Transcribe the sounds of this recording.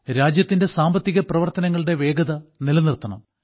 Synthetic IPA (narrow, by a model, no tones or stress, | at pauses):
ɾaːd͡ʑjɐt̪ːinde̞saːmbɐt̪ːiɣɐprɐʋɐrt̪ɐnɐŋːɐɭɨɽe̞ʋe̞ːɡɐðɐnilɐnirt̪ːɐɳɐ̰m